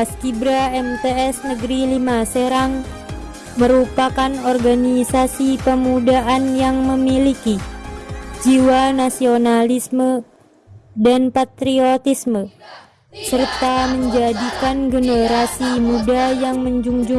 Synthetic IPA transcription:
paskibɾaɛmt̪eɛsnəɡɾilimaseɾaŋ | məɾupakanɔrɡanisasipəmudaʔanjaŋməmiliki | d͡ʒiwanasionalismə | danpat̪ɾiot̪ismə | sərt̪aməɲd͡ʒadikanɡənəɾasimudajaŋməɲd͡ʒuŋd͡ʒuŋ

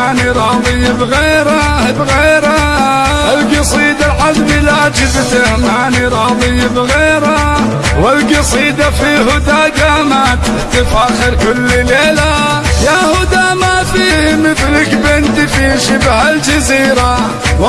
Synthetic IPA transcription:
ʕniɾˤɑðˤɪjːbɣeːɾa | bɣeːɾa | ɪlɡɑsˤiːd̪alħazbilaːd͡ʒɪbt̪ɪhmaʕniɾˤɑðˤɪjːbɣeːɾa | wɪlɡɑsˤiːd̪afihʊd̪aːɡamat̪ɪħt̪ɪfaːxɪɾkʊlːleːla | jahʊd̪amafiːmɪθlɪkbɪnt̪ifiːʃɪbhald͡ʒaziːɾa | w

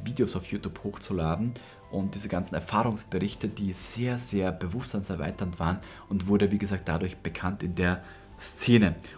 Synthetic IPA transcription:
viːdeosaʊfjuːtjuːphoːxt͡sulaːdn̩ | ʔʊnt̚d̥iːzəɡant͡sn̩ɛɐfaːʁʊŋsb̥əʁɪçtədiːz̥eːɐzeːɐb̥əvʊstz̥amsɛɐva̰ɪtɐntv̥aːʁən | ʊntv̥ʊɐdəviːɡəzaːk̚t̚d̥adʊɐçb̥əkʰantɪndeːɐ | st͡seːnə

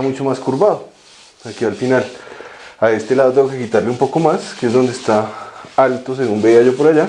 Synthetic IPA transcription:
amut͡ʃo̞maskuɾbaðo | akialfinal | ae̞st̪e̞laðt̪eŋɡo̞ke̞kit̪aɾleumpo̞ko̞maskeezd̪o̞nd̪est̪aalt̪o̞s̬e̞ɣumbe̞iaʝo̞po̞ɾaʝa

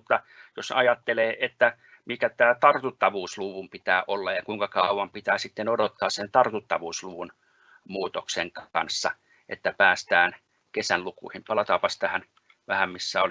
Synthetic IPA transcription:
ut̪ːɑ | josɑjɑt̪ːeleːʔet̪ːæ | mikæt̪æːt̪ɑrt̪ut̪ːɑʋuːsluʋumpit̪æːʔolːɑjjɑkuiŋkɑkɑuwˑɑmpit̪æːsit̪ːenodot̪ːɑːssent̪ɑrt̪ut̪ːɑʋuːsluʋun | muːt̪okseŋkɑnsːɑ | ʔḛt̪ːæpæːst̪æːn | kesænlukṵihimpɑlɑt̪ɑːpɑst̪æhæn | ʋæhæmmisːæoli

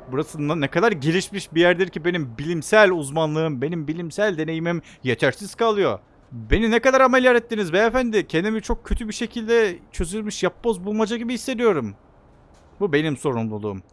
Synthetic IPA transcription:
buɾasɯnanɛkʰad̪aɾɟe̞lʲiʃmiʃbijæɾd̪ɛɾcibe̞nimbilʲimsælʲuzmanlˠɯɯmbe̞nimbilʲimsælʲd̪e̞ne̞jimim | jet͡ʃʰæɾsiz̥kʰalˠɯjo̞ | be̞ninɛkad̪aɾamelʲjaɾɛt̪ːinizbɛefænd̪ɪcʰend̪imit͡ʃʰo̞k̚cʰø̞t̪ʰybiʃe̞cʰilʲd̪ɛt͡ʃʰø̞zylʲmiʃjapːozbulˠmad͡ʒaɟibihisːe̞d̪ijo̞ɾum | bube̞nimso̞ɾumlˠulˠṵːm

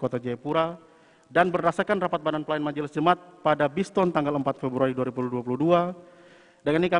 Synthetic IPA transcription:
kot̪ad͡ʒajpuɾa | danbərːasakanrapat̪̚badanpəlaɪnmaɲd͡ʒələsd͡ʒəmat̪̚padabist̪ɔnt̪aŋɡaləmpat̪̚fɛbɾuaɾiduaɾibuluduapuludua | daŋinika

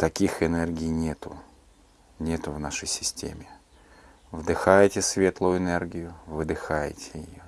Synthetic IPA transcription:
t̪ɐkʲixɪnɛrɡʲɪjnʲet̪ʊ̰ | nʲe̞t̪ʊvnaʂəjsʲɪ̥sʲtʲḛmʲɪ | vd̪ɨxajɪtʲɪsvʲe̞t̪lˠʊjʊɪnɛrɡʲɪjʊvɨd̪ɨxajɪ̰tʲɪ̥jɪ̰jo

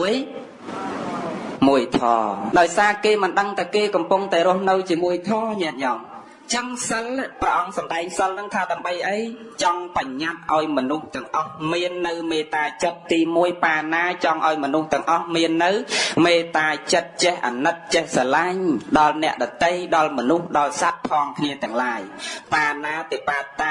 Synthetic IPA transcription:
əj | muəjt̪ʰɑ̰ːɗaɔjsaːkeːmɨnɗəŋt̪ʰakeːkɑmpuŋt̪aɛɾŭəhnɨwt͡ɕiəmuəjt̪ʰɑːɲɛəʔ̚ɲɑːm | t͡ɕəŋsəlprəʔɑŋsɑmɗaɛŋsəlnɨŋt̪ʰaːɗaəmɓəjʔəj | t͡ɕɑŋpaɲːat̪̚ʔaɔjmɔnuht̪ɛ̆əŋʔɑhmiənːɨwmeːt̪aːt͡ɕət̪̚ːiːmuəjpaːnaːt͡ɕɑŋʔaɔjmɔnuht̪ɛ̆əŋʔɑhmiənːɨwmeːt̪aːt͡ɕət̪̚t͡ɕɛhʔa̰ːnɨt̪̚t͡ɕɛhsaːlaɲɗɑlnɛ̆əʔɗɑt̪əjɗɑlmɔnuhɗɑlsat̪̚pʰɑːŋkʰniət̪ɛ̆əŋlaːjpaːnaːt̪eːpaət̪ːa

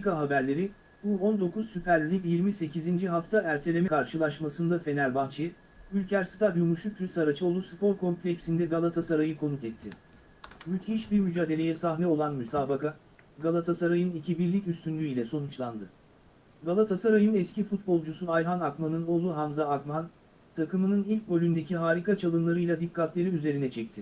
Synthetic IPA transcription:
ikaɦabæɾlʲe̞ɾi | buo̞nd̪o̞kʰuzsypʰæɾlʲilʲibjiɾmise̞cizind͡ʒiɦaft̪ʰaæɾt̪ʰe̞lʲe̞mɛkʰaɾʃɯlˠaʃmasɯnd̪afe̞nælʲbant͡ʃʰe | ylʲcʰæɾsɯ̥t̪ʰaɾjumuʃuk̚ʰɾysaɾat͡ʃʰɯo̞lˠuspʰo̞ɾkʰo̞mplʲecsind̪ɛɡalˠat̪ʰasaɾajɯkʰo̞nuk̪ɛt̪ʰːɪ | myt̪hiʃbiɾmyd͡ʒaːd̪e̞lʲe̞jɛsaɦnɛo̞lˠanmysaːbaka | ɡalˠat̪ʰasaɾajɯnicʰibiɾlʲicyst̪ʰynlʲyilʲɛso̞nut͡ʃlˠand̪ɯ | ɡalˠat̪ʰasaɾajɯnɛscifut̪̚bo̞lˠd͡ʒusuajɦanakmanɯno̞ːlˠuɦamzaːkman | t̪ʰakɯmɯnɯnilʲc̚ʲbø̞lʲynd̪e̞cʰiɦaːɾikat͡ʃʰalˠɯnlˠaɾɯjlˠad̪ikʰːat̪lʲeɾiyze̞ɾinɛt͡ʃʰɛc̚t̪ʰɪ

